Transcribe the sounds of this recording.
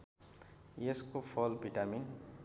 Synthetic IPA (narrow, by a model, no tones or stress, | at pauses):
eskopʰɔlbʱiʈamin